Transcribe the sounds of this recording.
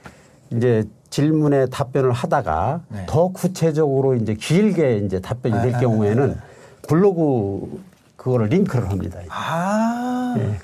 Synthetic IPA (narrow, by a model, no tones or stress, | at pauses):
ind͡ʑe̞t͡ɕiɭmune̞tap͈jʌnɯɭhadaɡa̰tʌkut͡ɕʰed͡ʑʌɡɯɾoind͡ʑe̞kiiɭɡe̞ind͡ʑe̞tap͈jʌɲidwe̞ɭk̬jʌŋue̞nɯn | puɭːʌɡu | kɯɡʌɾɯɭɾiŋkʰɯɾɯɭɦamɲḭdai | je